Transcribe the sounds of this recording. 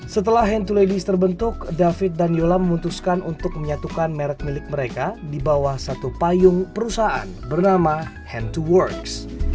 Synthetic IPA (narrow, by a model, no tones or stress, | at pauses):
sət̪əlahɦɛnt̪uledist̪ərbənt̪ʊkdafɪt̪̚danjolaməmunt̪uskanʔunt̪ʊk̚məɲat̪ukanmeɾək̪̚milɪk̚məɾekadibawahsat̪upajʊŋpəɾusaa̰nbərnama | hɛnt̪uwɔrks